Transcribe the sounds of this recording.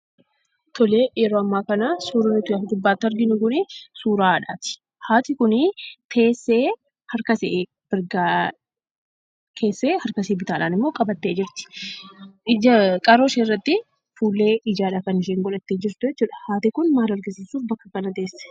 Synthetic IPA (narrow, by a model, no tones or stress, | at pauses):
t̪ʰɔleːjɛɾoːɐmːaːkɐnasuːɾʊnɪt̪ʊjafd̪ʊbːaːt̪ːɐɾɡɪnʊɡʊnɪsuːɾaːᶑa̰ːt̪ɪ̥ | haːt̪ɪkʊnɪt̪ʰe̞ːsːe̞ː | hɐɾkɐse | b̥ɪɾɡa | kʰe̞ːsːeːhɐɾkɐseːbɪt̪aːᶑaːnɪmːo̞ːkʼɐbɐt̪ːe̞ːd͡ʒɪɾt̪ɪ̥ | ɪd͡ʒɐkʼɐɾo̞ːʃeːɪrːɐt̪ːɪ | fuːlːe̞ːʔɪd͡ʒaːᶑaːkɐnɪʃ̬eːŋɡɔlɐt̪ːeːd͡ʒɪɾt̪ʊjɛt͡ʃːuːᶑɐ̥haːt̪ɪkʊnmaːlɐɾɡɪsiːsuːfbɐkːɐkɐnɐt̪e̞ːsːɛ̥